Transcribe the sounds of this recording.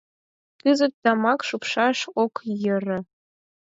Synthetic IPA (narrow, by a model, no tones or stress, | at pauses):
kɨzɤ̆t̪ːɑmɑkʃupʂɑʂokjɘ̆rɘ̆